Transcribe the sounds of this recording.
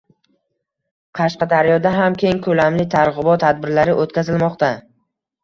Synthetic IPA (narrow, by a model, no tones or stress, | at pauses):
qʰɑʃqɑd̪aɾjɒd̪aɦamkʲʰe̞ŋkʰɵlamlɪt̪ʰaɾʁɨbɒt̪ʰːad̪̚bɪɾlaɾɪʔot̪kʲazɪlmɒqt̪a